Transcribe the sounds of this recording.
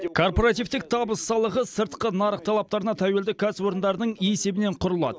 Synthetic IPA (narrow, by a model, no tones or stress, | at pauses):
kʰo̞rpo̞ɾɑt̪ijvt̪ɪk̚t̪ʰɑbəsːɑlˠəʁəsəɾt̪qənɑɾəq̚t̪ʰɑlˠɑp̚t̪ɑɾənɑt̪ʰæweld̪ɪkʲʰæswo̞ɾənd̪ɑɾənəɴijese̞bɪne̞ɴqʰʊɾəlˠɑ̰d̪ə